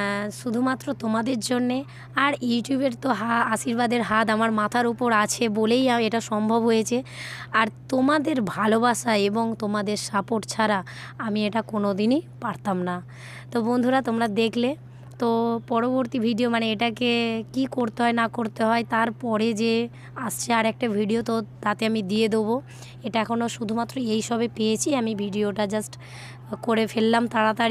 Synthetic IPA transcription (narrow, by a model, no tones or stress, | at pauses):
ʃud̪ʱumat̪ːɾot̪omad̪eɾd͡ʑonːe | aɾjuʈjubeɾt̪oɦaaʃiɾbad̪eɾɦat̪amaɾmat̪ʰaɾupoɾat͡ɕʰebolejaeʈaʃɔmbʱobɦojet͡ɕʰeaɾt̪omad̪eɾbʱalobaʃaeboŋt̪omad̪eɾʃapoʈt͡ɕʰaɾa | amieʈakonod̪inipaɾt̪amna | t̪obond̪ʱuɾat̪omɾad̪ekʰle | t̪opɔɾoboɾt̪ibʱiɖiomaneeʈakekikoɾt̪eɦɔenakoɾt̪eɦɔet̪aɾpɔɾed͡ʑe | ast͡ɕʰeaɾɛk̚ʈabʱiɖiot̪ot̪at̪eamid̪ied̪ebo | eʈaɛkʰonoʃud̪ʱumat̪ːɾoejʃɔbepeet͡ɕʰiamibʱiɖioʈad͡ʑasʈ | koɾefelːamt̪aɽat̪aɾ